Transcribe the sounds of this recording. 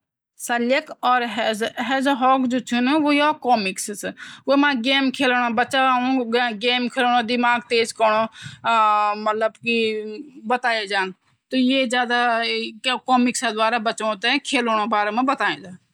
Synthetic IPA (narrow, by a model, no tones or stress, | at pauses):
səljəkɔːɾɦzɦɛːzɦɔːkd͡ʒoːt͡ʃʰʊnʋoːjaːkoːmɪkssʋoːmãːɡeːmkʰeːloɽaːbət͡ʃaːũːɡeːmkʰeːlːɳõːd̪ɪmaːɡt̪eːzkəɳoː | mət̪ləbkibət̪aːeːd͡ʒaːn | t̪oːjeːzjaːd̪a | koːmɪksãd̪ʋaːɾaːbət͡ʃõːt̪ẽkʰeːloːɳoːbaːɾemãːbət̪aːẽːd͡ʒaː